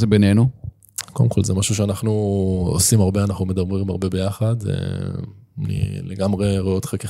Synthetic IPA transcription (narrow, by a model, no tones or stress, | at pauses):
zebenenu | kodemko̞lzemaʃuʃ̬eanaχnuo̰simaʁbeanaχnumed̪amʁiimaʁbebe̞jaχad̪ḛ | nḭleɡamʁeʁojo̞t̪χeke